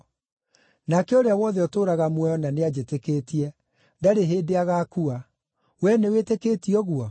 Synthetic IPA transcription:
nakɛoɾeawɔðɛɔtoɾaɣamwɛjɔnanead͡ʑeteketiɛ | daɾeɦeːdeaɣakua | wɛneweteketiɔɣwɔ

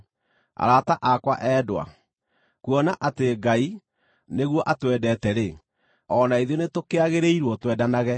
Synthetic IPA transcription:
a̰ɾataʔakwaʔɛːdwa̰ | kuɔnaʔateɡai | neɣwɔʔatwɛdɛːtɛɾe | ɔnaiðenetokeaɣeɾeiɾwɔtwɛdanaɣɛ

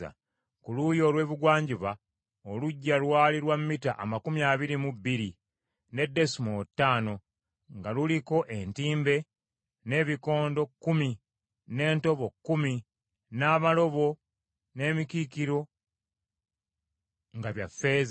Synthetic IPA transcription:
a̰ | kulujo̞ːlwe̞ːβiɡwaːɲɟiβa | oluɟːalwaːliɾwamːita̰ʔa̰makumijaːβiɾimubiɾi | ne̞dːe̞sumotːaːno̞ | ŋɡaluliko̞ʔe̞ntiːmbe̞ | ne̞ːβiko̞ːndo̞kːumi | ne̞ːnto̞βo̞kːumi | naːβalo̞βo̞ | ne̞ːmikikiɾo̞ | ŋɡaβjafːe̞ːz

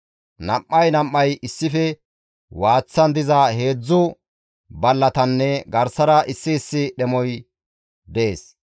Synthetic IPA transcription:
nɐmːɐjnɐmːɐjɪsːɪfɛ | waːt͡sːɐnd̪ɪzɐhe̞ːd͡zːʊ | bɐlːɐt̪ɐnːɛɡɐɾsɐɾɐʔɪsːɪːsːɪɗɛmɔj | d̪eːs

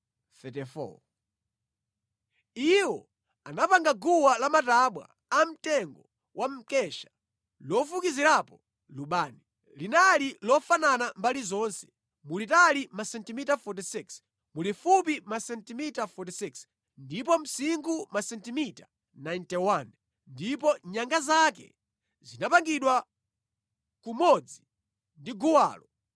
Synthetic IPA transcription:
θɛtɛfɔ̰ | iwɔ | anapaŋɡaɡuwalamataɓwa̰ | am̩tɛŋɡɔ | wʔam̩kɛʃḁ | lɔfukiziɾapɔ | luɓaːni | linalilɔfananambalizɔnsɛ̥ | mulitalimasɛntimitafɔt̬isiks | mulifupimasɛntimitafɔt̬isiks | ndip̬ɔm̩siŋɡumasɛntimita | najntɛwan | ndip̬ɔɲaŋɡazakɛ̰ | zinapaŋɡiɗwa | kumɔd͡zi | ndiɡuwa̰ːlɔ

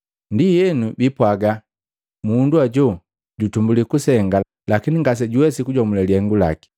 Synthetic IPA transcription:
ndijɛnubipwaɡa | munduaɟɔ | ɟutumbulikusɛŋɡa | lakiniŋɡas̬ɛɟuwɛsikuɟɔmulɛliɛŋɡula̰ki̥

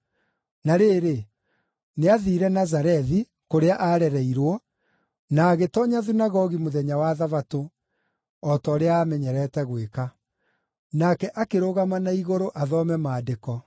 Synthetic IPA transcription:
naɾeːɾe | neaðiɾɛnazaɾɛði | koɾeaʔaɾɛɾɛiɾwɔ | naːɣetɔɲaðinaɣɔɣimoðɛɲawaðavato | ɔtɔɾeaːmɛɲɛɾɛtɛɣweka | nakɛʔakeɾoɣamanaiɣoɾoʔaðɔmɛmaːdekɔ

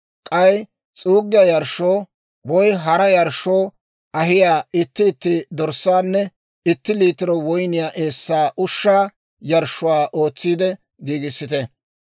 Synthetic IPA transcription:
kʼɐj | t͡sʼuːɡːɪjajɐɾʃːoː | wɔjɦɐɾɐjɐɾʃːoː | ʔɐɦɪjaːɪt̪ːɪːt̪ːɪd̪ɔɾsːaːnːɛ | ɪt̪ːɪliːt̪ɪɾɔwɔjnɪjaːʔe̞ːsːaːʔʊʃːaː | jɐɾʃːʊwaːʔo̞ːt͡sːiːd̪ɛ | ɡiːɡɪsːɪt̪ɛ

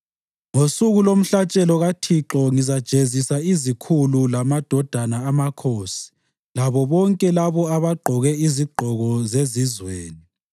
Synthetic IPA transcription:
ŋosuɣulom̩ɬat͡ʃʼɛlɔɣatʰiǁɔŋizad̥ʒ̥ʱezisaizikʰululamad̥ʱɔd̥ʱanaːmakʰoːsi̥ | laβɔβɔŋkʼɛlaβɔaβaɡ͡ǃʱɔɣɛiziɡ͡ǃʱɔɣɔzezizweːni

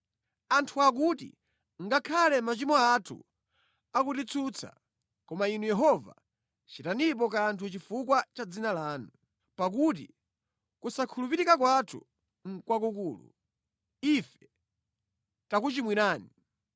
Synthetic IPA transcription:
antʰuak̬utḭ | ŋɡakʰalɛmat͡ʃimɔatʰṵ | akutit͡sʰut͡sʰa̰ | kɔmainujɛɦɔva̰ | t͡ʃitanip̬ɔkantʰut͡ʃifukwat͡ʃad͡zinalaːnu | pak̬ut̬ḭ | kusakʰulupiɾikak̬watʰṵ | ŋ̩kwak̬ukuːlṵ | ifɛ̥ | takut͡ʃimwiɾaːni

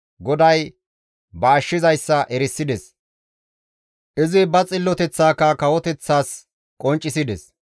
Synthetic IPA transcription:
ɡɔd̪ɐj | bɐːʃːɪzɐjsːɐʔɛɾɪsːɪd̪ɛs | ʔɪzɪbɐt͡sʼɪlːɔt̪ɛt͡sːaːkːɐkɐwɔt̪ɛt͡sːaːs | kʼɔnt͡ʃʼːɪsɪd̪ɛs

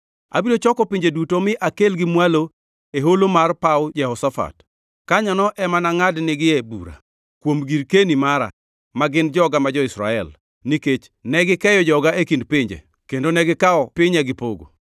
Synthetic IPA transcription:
a̰bidot͡ʃɔkɔpiɲd͡ʒedutomɪʔakelɡɪmwalo | eɦolomarpaʊd͡ʒɛhɔsafa̰t | kaɲanɔʔɛmanaŋadnɪɡɪɛbṵɾa̰ | kwomɡiɾkenimaɾa̰ | maɡɪnd͡ʒɔɡamad͡ʒɔɪsɾa̰ɛ̰l | niket͡ʃ | nɛɡɪkɛjɔd͡ʒɔɡaʔekindpɪɲd͡ʒḛ | kendonɛɡɪkaɔpɪɲɛɡɪpoɡo̰

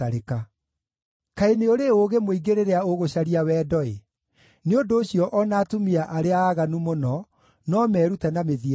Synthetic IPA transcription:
aɾeka | kaeneoɾeoɣemoiɡeɾeɾeaoɣoɕaɾiawɛːdɔe | neondoːɕjɔʔɔnaːtumiaʔaɾeaːɣanumonɔ | nɔmɛːɾutɛnameði

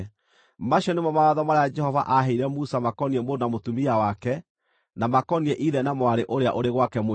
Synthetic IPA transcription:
maɕiɔnemɔmawaðɔmaɾaad͡ʒɛhɔva̰ʔaɦeiɾɛmusamakɔniɛmoɾnamotumiawakɛ | namakɔniɛʔiðɛnamwaɾeʔoɾea̰ʔoɾeɣwakɛmo

